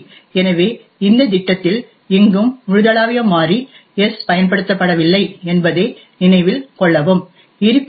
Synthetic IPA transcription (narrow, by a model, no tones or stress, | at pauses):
ɛnɐʋeː | ɪnd̪ɐd̪ɪʈːɐt̪ːɪl | ɪŋɡɯmʊɻɯðɐɭaːʋɪjɐmːaːri | ɛspɐjɐnpɐɽɯt̪ːɐpːɐɽɐʋɪlːɐɪɛnbɐðeː | nɪnɐɪʋɪlkɔɭːɐʋɯm | ɪɾɯpː